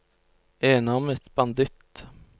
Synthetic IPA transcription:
eːnaɔmɛt̪bɑnd̪ɪt̪

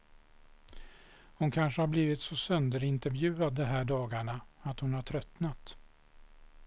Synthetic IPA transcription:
hʊnkʰanʂəhaɾbliːvɪt̪sɔsœnd̪əɾɪnt̪əɾvjʉ̟ːad̪ːɛɦæːɖɑːɡaɳaat̪hʊnhaʈʰɾœt̪nat̪

